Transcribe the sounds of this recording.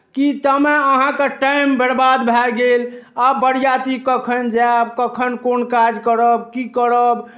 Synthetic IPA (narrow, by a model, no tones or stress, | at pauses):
kit̪əmeəɦãkeʈajmbɛɽbad̪bʱɛlɡelabəɽjat̪ikəkʰənd͡ʒabkəkʰənkonkad͡ʒkəɾəbkikəɾəb